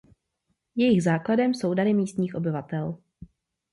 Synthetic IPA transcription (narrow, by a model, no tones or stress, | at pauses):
jɛjɪɣzaːkladɛmso̞wdaɾɪmiːst̪ɲiːxʔo̞bɪvat̪ɛl